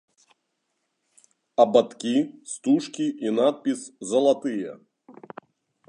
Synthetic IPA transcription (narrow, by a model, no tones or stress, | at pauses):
ɐbat̪kʲist̪uʂkʲiinat̪̚pʲiszɐlˠat̪ɨjɛ̰